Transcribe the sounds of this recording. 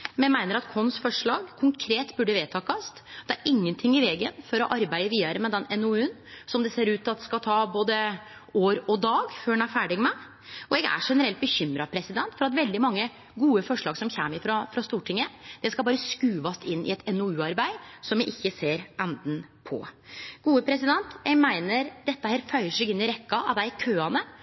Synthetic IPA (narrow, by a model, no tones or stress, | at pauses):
mɛmæɪnəɾɑt̪kʰɔnsfɔʂɭɑːɡkʰʊŋkʰɾeːt̪bʉɖəʋeːt̪ʰɑːkɑsd̪̥ɛæɾɪŋːənt̪ʰɪŋːɪʋɛːɡənfɔɾɔʔɑɾbæɪəʋiːɑɾəmɛd̪ɛnɛnɔʉːnsɔmd̪ɛseːɾʉːt̪ʰːɑt̪skɑlt̪ʰɑːboːd̪əoːɾɔd̪ɑːɡføːɖɛnæɾfæːɖɪɡmɛ | ɔɛɡæ̰ʂɛnəɾɛlt̪̚bəçʏmɾɑpʰɾɛsɪd̪ɛnt̪fɔɾɑt̪ʋɛld̪ɪmɑŋːə | ɡuːəfɔʂɭɑːɡsɔmçæ̰ːmɪfɾɑfɾɑst̪uːʈʰɪŋːəd̪̥ɛskɑbɑːɾəskʉːʋɑst̪ɪnːʔɪ̰ɛt̪ɛnɔʉːɑɾbæɪsɔmjɛʔɪçːəseːɾɛnd̪n̩pʰɔ̰ɡ̥uːəpʰɾɛs̬ɪd̪ɛnt̪ɛɡmæɪnəɾd̪ɛt̪ːəhæːɾfœʏəʂɛɡɪnːɪɾɛkːɑʔɑ̰ʋd̪ækʰøːɑnə